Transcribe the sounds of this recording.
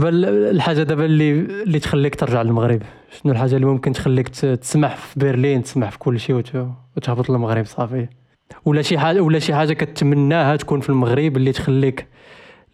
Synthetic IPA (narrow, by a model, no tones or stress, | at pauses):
bællħaʒːad̪æbælːilːit̪xælːikt̪əɾˤʒəʕləlməɣɾəb | ʃnulħaʒːalːimʊmkənt̪xælːikt̪t̪ə̥smaħfibəɾlint̪ə̥smaʕfi̥kʊlːʃiw̪wt̪əhbət̪ˤəlməɣɾəbsˤɑfəj | wlæʃiħawlæʃiħaʒːakæt̪t̪ːmənːæhæt̪kunfilməɣɾəblːit̪xælːik